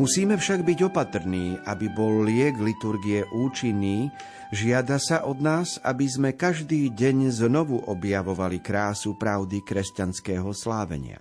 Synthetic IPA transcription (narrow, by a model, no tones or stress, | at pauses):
musiːmɛfʃaɡbiɟɔpat̪r̩niːʔabibɔlːɪɛɡlit̪uɾɡiɛʔuːt͡ʃinːiː | ʒɪad̪asaʔɔd̪naːza̰bizmɛkaʒd̪iːɟɛɲznɔʋuʔɔbjaʋɔʋalikɾaːsupɾaʊd̪ikɾɛscanskɛːɦɔslaːʋɛ̰ɲɪa̰